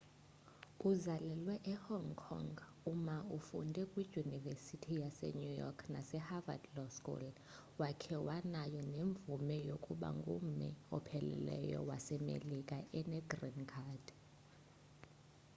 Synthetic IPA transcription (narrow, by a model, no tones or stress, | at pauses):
uzalɛlwɛʔɛhɔŋkʰɔ̰ŋɡ | umaufundʱɛkʼwiʒunivesitʰijasɛ̰ɲujɔ̰kʰnasɛhava̰dlɔskʼṵl | wakʰɛwanajɔneɱb̪vumɛjokʼuɓa̰ŋɡʱʼṵmɛ̰ɔpʰɛlɛ̰lɛ̰jɔ̰wa̰sɛmḛlikʼaʔɛnɛɡrinkʰad̥